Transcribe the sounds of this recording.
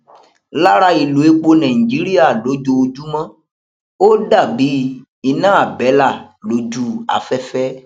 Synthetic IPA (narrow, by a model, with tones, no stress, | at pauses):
la˦ɾa˧i˨lu˨e˦k͡po˧nã˨ĩ˨d͡ʒi˨˦ɾi˦a˦˨lo˨˦d͡ʒo˧o˧d͡ʒu˦mã˦ | o˦da˦˨bi˨˦ | i˧nã˦a˦˨bɛ˨˦la˦˨lo˨˦d͡ʒu˦a̰˨fɛ˦fɛ˦